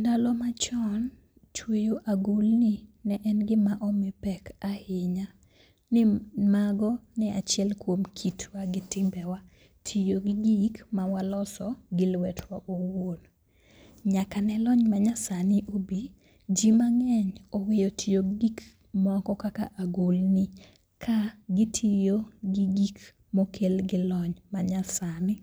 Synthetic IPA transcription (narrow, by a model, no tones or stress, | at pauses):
ndalɔmat͡ʃɔn | t͡ʃwejoʔaɡulnɪnɛʔɛnɡɪmaʔɔmepɛkahɪɲa | nɪmaɡɔnɛat͡ʃɪɛlkwomkʰitʰwaɡɪtɪmbɛwa | tʰijoɡɪɡikmawalɔsɔɡɪlwɛtwaʔowon | ɲakanɛlɔɲmaɲasanɪʔobi | d͡ʒimaŋɛɲowɪjotʰijoɡɡik | mɔkɔkaka̰ʔaɡolnɪ | kʰaɡɪtʰijoɡiɡik | mokʰelɡɪlɔɲmaɲasanɪ